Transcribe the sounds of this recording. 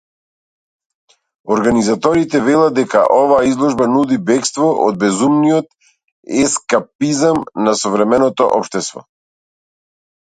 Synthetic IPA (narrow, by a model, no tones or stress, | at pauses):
ɔɾɡanizat̪ɔɾit̪ɛvɛlˠad̪ɛka̰ʔɔvaːizlˠɔʒbanud̪ibɛkst̪vɔʔɔ̰d̪̚bɛzumniɔt̪ | ɛskapizamnasɔvɾɛmɛnɔt̪ɔ̰ʔɔpʃt̪ɛst̪vɔ̰